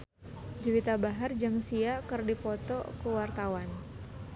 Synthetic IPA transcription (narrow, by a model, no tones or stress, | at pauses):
d͡ʒəwit̪abaɦard͡ʒaŋsiakɨrdipɔt̪ɔ̰kəwart̪awan